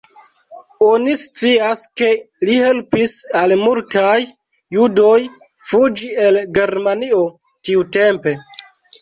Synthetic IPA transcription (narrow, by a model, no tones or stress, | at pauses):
onist͡siaske̞ | lihe̞lpisalmultajː | udo̞j | fud͡ʒie̞lɡe̞ɾmanio̞ | tiute̞mpe̞